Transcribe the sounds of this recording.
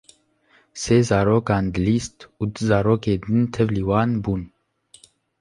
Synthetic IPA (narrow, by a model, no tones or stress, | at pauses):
seːzɑːɾoːkɑːnd̪əliːst̪uːd̪ɨzɑːɾoːkeːd̪ɨnt̪ʰɛvliːwɑːnbuːn